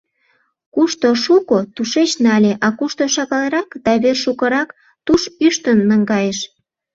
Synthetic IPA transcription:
kuʃt̪oʃukot̪uʃet͡ɕnɑlʲeʔɑkuʃt̪oʃɑɣɑleɾɑkd̪̥ɑβerʃukəɾɑk | t̪uʃyʃt̪ənːəŋɡɑjeʃ

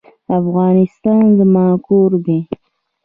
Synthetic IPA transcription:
afɣɑːnɪst̪ɑnd̪əmɑːkoɾd̪e

